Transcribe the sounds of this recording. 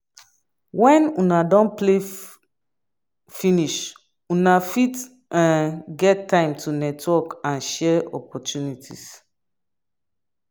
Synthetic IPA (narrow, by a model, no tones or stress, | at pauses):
wɛ̃nunadɔ̃nple | finiʃ | unafit | ʔãnɡɛtːãɪ̃mtʰunɛtwɔkãnʃɛɔ̰pɔtʰunitʰḭs